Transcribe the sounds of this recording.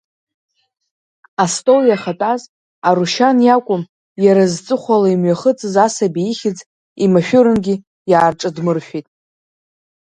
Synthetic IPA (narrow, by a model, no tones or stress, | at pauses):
astʼowjaχatʼaz | aɾuʃanjakʷʼʊm | jaɾazt͡sʼɨχʷalaimɥaχət͡sʼɨzasabiiχʲɪd͡zʼ | imaʃᶣʊɾɨnɡʲɪ | jaːrʈ͡ʂʼɨdmɨrʃᶣitʼ